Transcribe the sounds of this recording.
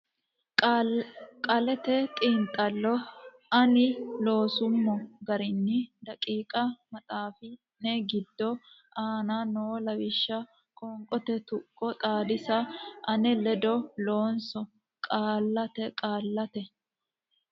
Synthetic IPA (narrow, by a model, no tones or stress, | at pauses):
kʼɐlɛt̪ɛt̪ʼiːnt̪ʼːɐlːɔ | ɐnɪlo̞ːsʊmːɔɡɐɾɪnːɪd̪ɐkʼiːkʼɐmɐt̪ʼaːfɪ | nɛɡɪd̪ːɔ | ʔaːnanoːlɐwɪʃːɐ | kʼɔŋkʼɔt̪ɛt̪ʊkʼːɔt̪ʼaːd̪ɪsɐʔɐnɛlɛd̪ɔlo̞ːnsɔ | kʼaːlːɐt̪ɛkʼaːlːɐt̪ɛ